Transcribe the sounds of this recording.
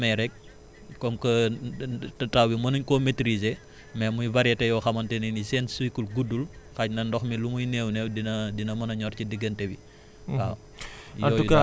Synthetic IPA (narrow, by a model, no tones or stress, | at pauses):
mɛɾɛk̚ | kɔmkɐ | tɐtawwimɐnuɲkɔmetɾize | mɛmujvɐɾjɛtɛjɔxɐmɐntɛninisɛnsuikulɡudulxacnɐndɔxmilumujnɛːwnɛwdinɐdinɐmɐnɐɲɔrcidəɡːɐntɛwi | a | jɐɔːuju